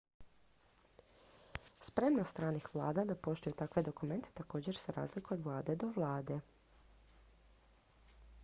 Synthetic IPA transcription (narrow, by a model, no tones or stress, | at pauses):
spɾe̞mnost̪ɾaːnixʋlˠaːd̪ad̪apo̞ʃt̪ojut̪akʋe̞d̪o̞kume̞nt̪ʰe̥t̪ako̞ːd͡ʑe̞ɾsaɾa̰ːzlikuod̪ʋlˠaːd̪e̞d̪o̞ʋlˠaːd̪e̞